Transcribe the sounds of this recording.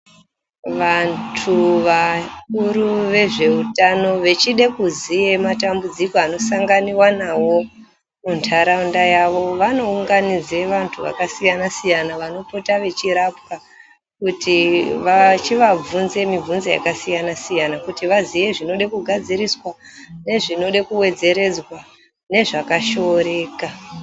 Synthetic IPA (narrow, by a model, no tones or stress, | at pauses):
ʋantʰuʋakuɾuʋe̞ʐe̞utano̞ʋe̞t͡ʃiɗe̞kuzije̞matambud͡zikoano̞saŋɡaniwanawo̞ | muntʰaɾaundajaʋo̞ʋano̞uŋɡanid͡ze̞ʋantʰuʋa̰kasijanasijanaʋano̞potaʋe̞t͡ʃiɾap̚ka | kutiʋat͡ʃiʋab͡vunze̞mib͡vunzija̰kasijanasijanakutiʋaziʋe̞ʐino̞ɗekuɡʱad͡ziɾiswane̞ʐino̞ɗekuwe̞d͡ze̞ɾe̞d͡zwa | ne̞ʐakaʃo̞ɾe̞ːka